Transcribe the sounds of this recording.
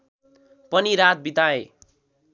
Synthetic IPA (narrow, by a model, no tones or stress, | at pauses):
pʌniɾat̪̚bit̪ae